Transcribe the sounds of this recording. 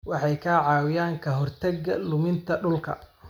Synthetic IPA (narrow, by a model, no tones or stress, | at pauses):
wɑħɑjkʰaːʕɑːwɪjaːŋkʰɐɦɔrt̪ʰɐɡɐlʊmɪnt̪ʰɐɖʊlkʰɐ̰